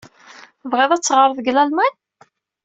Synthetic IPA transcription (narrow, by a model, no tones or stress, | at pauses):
vʁeðˤæt͡sːʁəɾˤðɡlælmæn